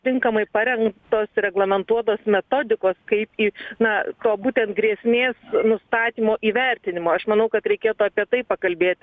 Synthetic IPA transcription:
t̪ʲɪŋkɐmɐɪpɐɾʲɛŋkt̪oːsɾʲɛɡlˠɐmʲɛnt̪uɔt̪oːsmʲɛt̪oːd̪ʲɪkoːskɐɪpiːnɐt̪oːbuːt̪ʲɛnt̪̚ɡɾʲiɛsʲmʲeːsnʊst̪ɑːt̪ʲiːmoːʔiːʋʲɛɾʲt̪ʲɪnʲɪmoːɐʃmɐnɐʊkɐt̪ɾʲɛɪkʲeːt̪uɐpʲiɛt̪ɐɪpɐkɐlʲbʲeːt̪ʲ

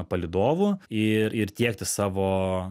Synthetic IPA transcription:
pɐlʲɪd̪oːʋʊɪɾɪrt̪ʲiɛk̚t̪ʲɪsɑːʋoː

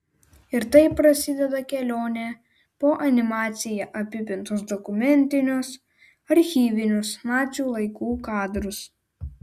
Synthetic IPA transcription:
ɪɾt̪ɐɪpɾɐsʲɪd̪ʲɛd̪ɐkʲɛlʲoːnʲɛ | poːʔɐnʲɪmɑːt̪sʲɪjɛʔɐpʲɪpʲɪnt̪ɔsd̪ɔkʊmʲɛnʲt̪ʲɪnʲʊs | ɐɾʲxʲiːʋʲɪnʲʊsmɑːt͡ʃʲuːlˠɐɪkuːkɑːd̪ɾʊs

